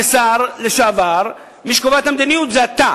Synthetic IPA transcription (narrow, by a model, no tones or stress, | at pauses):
esaʁleʃaavaʁ | miʃkovat̪hamd̪inijut̪zeat̪a